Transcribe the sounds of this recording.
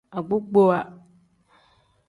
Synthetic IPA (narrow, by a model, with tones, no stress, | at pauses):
a˨ɡ͡bʊ˦ɡ͡bo˦wa˨